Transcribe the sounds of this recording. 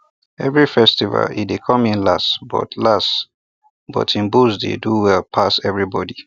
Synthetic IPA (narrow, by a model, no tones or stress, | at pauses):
ɛvɹifɛstiva̰lḭdekʰɔ̃mĩnlastbɔ̰tʰlas | b̥ɔ̰tʰĩnbuzdḛduwɛlpʰasɛvɹibɔdi